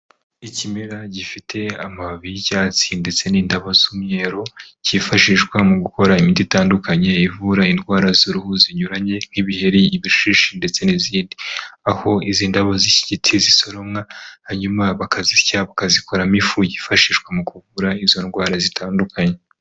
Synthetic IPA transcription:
icimiɾaɟifitʰe̞amaβicaːt͡sinde̞t͡se̞niːndaβazumuɲeːɾo̞cifaʃiʃkwamuɡuko̞ɾaimiditaːndukaɲe̞ivuɾainɡwaːɾazuɾuhuziɲuɾaɲe̞n̥hiβihe̞ɾiiβiʃiʃinde̞t͡se̞niziːndiaho̞iziːndaβaziciɟitʰiziso̞ɾo̞mŋahaɲumaβakazicaβakaziko̞ɾamifujiːfaʃiːʃkwamukuvuɾaizo̞nɡwaːɾazitʰaːndukʰaɲe

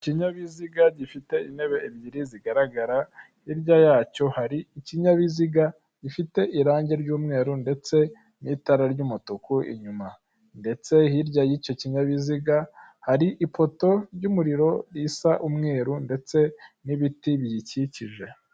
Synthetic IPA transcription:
ciɲaβiziɡaɟifite̞ine̞βe̞ibɟiɾiziɡaɾaɡaɾa | hiɾɟajaːco̞haɾiiciɲaβiziɡa | ɟifite̞ʔiɾaːɲɟe̞ɾɟuːmŋe̞ːɾunde̞t͡se̞ | nitaɾaɾɟuːmutukuʔḭɲuma | nde̞t͡se̞hiɾɟajico̞ciɲaβiziɡahaɾiʔipo̞to̞ɾɟumuɾiɾo̞ɾisaʔumŋe̞ːɾunde̞t͡se̞niβitiβjiciciʒe̞

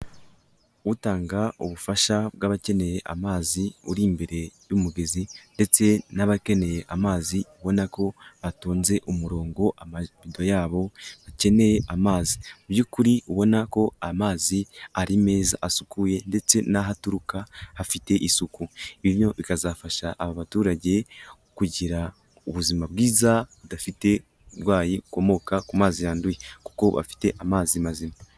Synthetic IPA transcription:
utaːŋɡauβufaʃabɡaβace̞ne̞je̞ʔa̰maːziṵɾimbe̞ɾe̞jumuɡe̞zinde̞t͡se̞naβake̞ne̞je̞ʔamaːziuβo̞nako̞βatuːnze̞ʔumuɾo̞ːŋɡo̞ʔamaβido̞jaːβo̞βace̞ne̞je̞ʔamaːzimubɟukuɾiuβo̞nako̞amaːziaɾime̞ːza̰ʔasukuje̞nde̞t͡se̞naɦatuɾukahafite̞ʔisukuiβiβjo̞βikazafaʃaʔːβaβatuːɾaɟe̞ | kuɟiɾa | uβuzimabɡiːzaβudafite̞ | uɾwaːjiuko̞mo̞kakumaːzijaːndujeku̥ko̞βa̰fi̥te̞ʔamaːzimazima

